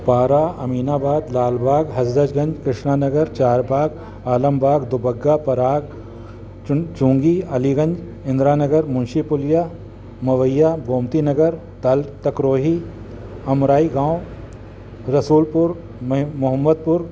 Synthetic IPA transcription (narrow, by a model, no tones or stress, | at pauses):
paːɾaːɐmiːnaːbaːd̪laːlbʱaːɡɦɐd͡ʒd̪ɐd͡ʒɡɐ̃ɲd͡ʒkɾɪʃnaːnɐɡəɾt͡ʃaːɾbʱaːɡ | aːlɐmbʱaːɡd̪ʊbɐɡːapɐɾaːɡ | t͡ʃũːŋɡiːɐliːɡɐ̃nd͡ʒ | ɪ̃nd̪ɾaːnɐɡəɾmʊnʃipʊljaː | mɐʋɐjːaːboːmt̪inɐɡəɾ | t̪ɐlt̪ɐkɾoːɦiː | ɐmɾaːiɡãːwo | ɾɐsuːlpʊɾ | mʊɦəmːəd̪̚pʊɾ